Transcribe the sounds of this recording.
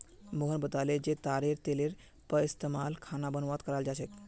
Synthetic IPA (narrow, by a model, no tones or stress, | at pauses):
moɦənbət̪aled͡ʒet̪aɾeɾt̪eleɾ | pəist̪emalkʰanabənʋat̪kəɾald͡ʒat͡ʃʰɛk